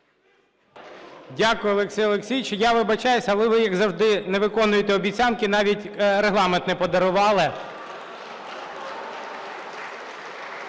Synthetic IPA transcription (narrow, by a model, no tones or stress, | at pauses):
dʲakʊjʊɔlˠeksʲijɔlˠeksʲijt͡ʃɪjaʋɪbɐt͡ʃɑjʊsʲɐɐlˠɛʋɪjɐɡzɐwʒd̪ɪnɛʋɪkɔnʊjet̪ɛɔbʲit͡sʲɑnkɪnɑʋʲitʲɾeɦlˠɑment̪nɛpɔd̪ɐɾʊʋɑlˠɪ